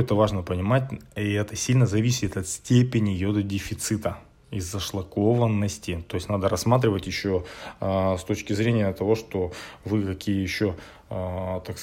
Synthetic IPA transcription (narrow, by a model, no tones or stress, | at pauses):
ɛt̪əvaʐnəpənʲɪmatʲiɛt̪əsʲilʲnəzɐvʲisʲɪt̪ɐt̪sʲtʲepʲɪnʲɪjod̪ədʲɪfʲɪt̪sɨt̪ə | ɪzːəʂlˠɐko̞vənːəsʲtʲɪt̪o̞jɪsʲnad̪əɾɐsːmat̪̬ɾʲɪvətʲjɪɕːo | st̪ot͡ɕkʲɪzɾʲenʲɪjət̪ɐvo̞ʂt̪o̞vɨkɐkʲijəjɪɕːo̞ | t̪aks